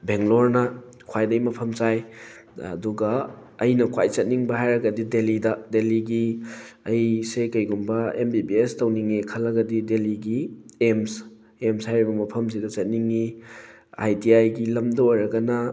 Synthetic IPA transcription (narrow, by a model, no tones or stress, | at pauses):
beŋloɾnɐ | kʰwajdɐjmɐpʰɐmt͡ʃajɐ̰duɡɐːjnɐkʰwajt͡ʃɐt̚niŋbɐɦajɾɐɡɐdidelidɐdeliɡiɐjsekɐjɡumbɐembibiestɐwniŋikʰɐlːɐɡɐdideliɡiems | emshajɾibɐmɐpʰɐms̬idɐt͡ʃɐt̚niŋi | a̰jtiajɡilɐmdɐojɾɐɡɐnɐ